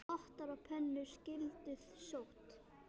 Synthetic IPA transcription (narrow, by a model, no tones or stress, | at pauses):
ɔht̪aɾawpʰɛnːʏɾ̥scɪlt̪ʏðsowht̪